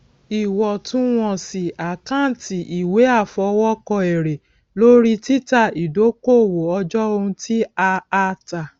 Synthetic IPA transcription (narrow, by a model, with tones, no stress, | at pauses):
i˨wɔ˨tũ˨˦w̃ɔ̃˦˨si˨a˨kã˦˨ti˨ʔi˨we˨˦a˦˨fɔ˧wɔ˦kɔ˧ɛ˨ɾe˨ | lo˦ɾi˦ti˦ta˦˨i˨do˨˦ko˦˨wo˨ɔ˧d͡ʒɔ˦o˧ũ˧ti˦a˧a˧ta˨